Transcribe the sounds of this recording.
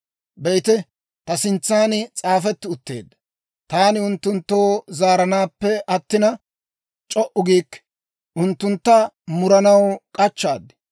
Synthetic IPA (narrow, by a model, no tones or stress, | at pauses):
bɛjɪt̪ɛ | t̪ɐsɪnt͡sːaːnɪt͡sʼaːfɛt̪ːɪʊt̪ːḛːd̪ːɐ | t̪aːnɪʊnt̪ːʊnt̪ːoːzaːɾɐnaːpːɛʔɐt̪ːɪnɐ | t͡ʃʼɔʔʊɡiːkː | ʔʊnt̪ːʊnt̪ːɐ | mʊɾɐnɐwkʼɐt͡ʃːaːd̪ɪ̥